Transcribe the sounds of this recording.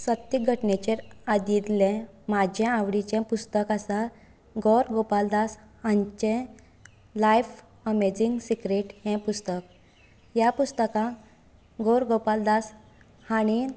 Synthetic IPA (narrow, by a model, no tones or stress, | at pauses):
sət̪ːiɡʱəʈnet͡ɕeɾad̪id̪lɛ̃ | mad͡ʑʱãaʋɽit͡ɕɛ̃pust̪əkasa | ɡɔɾɡopald̪as | hãɲt͡ɕɛ̃ | lajf | əmed͡ziŋɡsikɾeʈhɛ̃pust̪ək̚ | japust̪əkã | ɡɔɾɡopald̪as | haɽ̃i